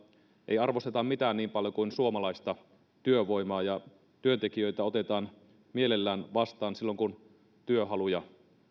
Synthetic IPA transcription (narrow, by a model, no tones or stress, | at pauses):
ʔḛjɑrʋo̞st̪et̪ɑmmit̪æːnniːmpɑljo̞kuinsuomɑlɑist̪ɑ | t̪yøʋo̞jmɑːjɑ | t̪yønt̪ekijø̞jt̪æo̞t̪e̞t̪ɑːn | mielelːæːnʋɑst̪ɑːnsilːoŋkun | t̪yøɦɑlujɑ